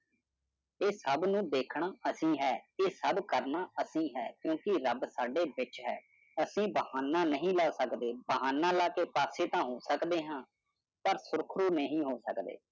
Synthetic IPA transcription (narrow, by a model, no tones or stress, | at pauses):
eːsəbnũːd̪eːkʰɳaːʔəsĩːɦɛːeːsəbkəɾnaːʔəsĩːɦɛːkjõːkɪɾəbsaːɖeːbɪt͡ʃɦɛ̰ː | əsĩːbəhaːnaːnəɦĩːlaːsəkd̪eːbəɦaːnãːlaːkeːpaːseːt̪ãːɦoːsəkd̪eːɦãː | pəɾsʊɾkʰɾuːnəɦĩːɦoːsəkd̪ḛː